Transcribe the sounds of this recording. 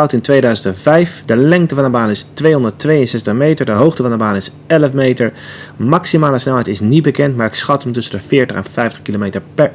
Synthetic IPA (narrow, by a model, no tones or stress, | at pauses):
ɑwtɪntʋejdœɥzəntɛnvɛjfdəlɛŋk̚təvɑnəbaːnɪstʋejɦɔndəɹtʋejənsɛstəχmejtəɹdəɦowχtəvɑndəbaːnɪs | ɛləfmejtəɹmɑksimaːləsnɛlɦɛjtɪsnit̚bəkɛntmaːɹɪksχɑtəmtɵsəndəfɪːɹtəχɛnfɛjftəχkilomejtəɹpɛɹ